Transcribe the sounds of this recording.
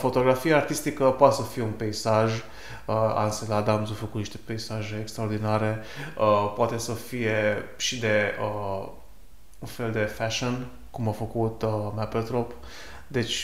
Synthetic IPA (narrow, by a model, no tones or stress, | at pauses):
fo̞t̪o̞ɡɾafijaːrt̪ist̪ikəpoat̪esəfije̞unpe̞isaʒ | əa̰nselad̪amzofəkut̪niʃt̪e̞̥pe̞isaʒeːkst̪ɾaord̪inaɾe̞ | əpoat̪e̞səfije̞ʃid̪e̞ə | unfe̞ld̪e̞fæʃon | kumafəkut̪mapəlt̪ɾop | d̪e̞t͡ʃʲ